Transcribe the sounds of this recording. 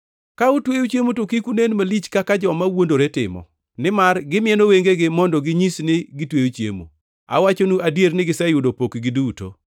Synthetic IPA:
kaʊtwejot͡ʃjemutokikunenmalit͡ʃkakad͡ʒɔmawondoɾetɪ̰mɔ̰ | nɪmarɡɪmɪɛnoweŋɡeɡɪmɔndɔɡɪɲisnɪɡɪtwejot͡ʃjḛmṵ | a̰wat͡ʃonuʔadjeɾnɪɡɪsɛjʊdopokɡɪduto̰

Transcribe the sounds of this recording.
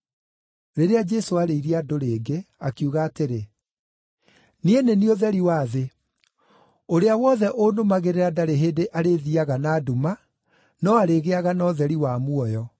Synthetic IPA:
ɾeɾead͡ʒesoaɾeiɾiadoɾeːɡeakiuɣaːteɾe | nienenioðɛɾiwaːðe | oɾeawɔðɛʔonomaɣeɾeɾadaɾeɦeːdeʔaɾeðiaɣanaːduma | nɔaɾeɣeaɣanɔːðɛɾiwamuɔjɔ

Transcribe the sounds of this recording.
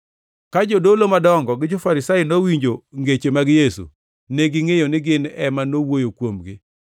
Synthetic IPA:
kad͡ʒodolomadɔŋɡɔɡɪd͡ʒofaɾɪsainowiɲd͡ʒoŋɡet͡ʃemaɡɪjesṵ | neɡɪŋejonɪɡɪnɛmanowojokwomɡɪ

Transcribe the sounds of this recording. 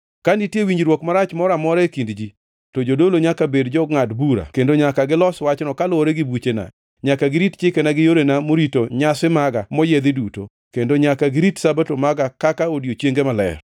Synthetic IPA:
kanitjewiɲd͡ʒɾwokmaɾat͡ʃmɔɾamɔɾaekindd͡ʒi | tod͡ʒodoloɲakabedd͡ʒɔŋatbuɾa̰kendoɲakaɡɪlɔswat͡ʃnɔkalʊoɾeɡɪbut͡ʃena̰ | ɲakaɡɪɾitt͡ʃɪkenaɡɪjoɾenamoɾitoɲasɪmaɡamɔjed̪ɪduto̰ | kendoɲakaɡɪɾitsabatomaɡakakaodiot͡ʃjeŋɡemalɛ̰r

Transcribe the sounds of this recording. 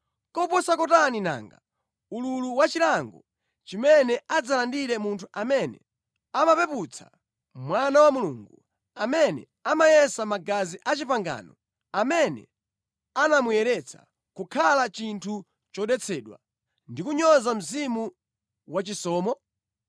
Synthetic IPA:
kɔpɔsakɔtanina̰ːŋɡa | ululuwat͡ʃilaŋɡɔ | t͡ʃimɛnɛʔad͡zalandiɾɛmuntʰuʔamɛnɛ̰ | amapɛput͡sʰḁ̰ | mwanawamuluːŋɡu | amɛnɛ̰ | amajɛsamaɡaziʔat͡ʃipaŋɡa̰ːnɔ | amɛnɛ̰ | anamujɛɾɛt͡sʰḁ̰ | kukʰalat͡ʃintʰu | t͡ʃɔɗɛt͡sʰɛːɗwa̰ | ndikuɲɔzam̩zimu | wat͡ʃisɔːmɔ

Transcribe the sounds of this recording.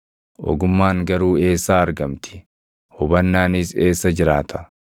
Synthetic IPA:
ʔɔ̰ɡʊmːaːŋɡɐɾuːe̞ːsːaːɐɾɡɐmt̪ʰɪ̥ | hʊbɐnːaːnɪse̞ːsːɐd͡ʒɪɾaːt̪ʰɐ̥

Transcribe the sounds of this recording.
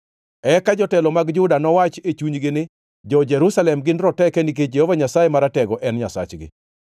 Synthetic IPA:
ɛkad͡ʒɔtɛlɔmaɡd͡ʒʊdanɔwat͡ʃet͡ʃuɲɡɪnɪ | d͡ʒɔd͡ʒɛɾusalɛmɡɪnɾɔtɛkɛnik̬ed͡ʒehovaɲasajemaɾatɛɡɔʔɛnɲasa̰t͡ʃɡɪ̰

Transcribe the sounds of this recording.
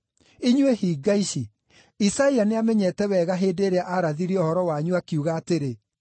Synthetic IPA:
iɲwehiːɡaiɕi | isaianeamɛɲɛtɛβɛɣaɦeːdeːɾeaʔaɾaðiɾiɔhɔɾɔwaɲuakiuɣaːteɾe

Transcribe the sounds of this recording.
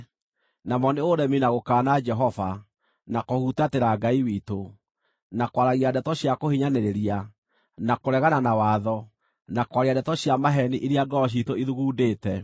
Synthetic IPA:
namɔneoɾɛminaɣokaːnad͡ʒɛɦɔva | nakohutateɾaɡaiwito | nakwaɾaɣiadɛtɔɕjakohiɲaneɾeɾia | nakoɾɛɣananawaðɔ | nakwaɾiadɛtɔɕjamaɦɛniʔiɾiadɔɔɕ̬itoiðuɣuːdeːtɛ

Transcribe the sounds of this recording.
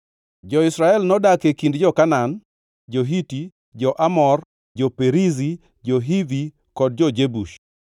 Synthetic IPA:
d͡ʒɔɪsɾaɛlnɔdakekindd͡ʒɔkanan | d͡ʒoɦiti | d͡ʒɔʔamɔr | d͡ʒɔpeɾizi | d͡ʒɔɦivi | kɔd̚d͡ʒɔd͡ʒebuʃ

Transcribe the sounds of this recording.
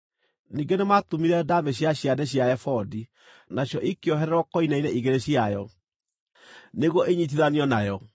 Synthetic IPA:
niːɡenematomiɾɛdameɕjaɕjadɛɕ̬jaɛfɔdi | naɕjɔʔikeɔɦɛɾɛɾwɔkɔinainɛʔiɣeɾeɕiajɔ | neɣwɔʔeɲit̬iðaniɔnajɔ

